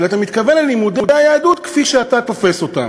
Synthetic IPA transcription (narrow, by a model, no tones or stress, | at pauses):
lat̪amit̪kavenlelimud̪udajaːd̪ut̪kfiʃeat̪akofeso̞t̪a̰